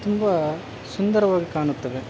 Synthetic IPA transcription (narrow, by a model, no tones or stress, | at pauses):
t̪ʊmbɐ | sʊnd̪ɐɾɐʋaːɣɐkaːɳɯt̪ːɐʋe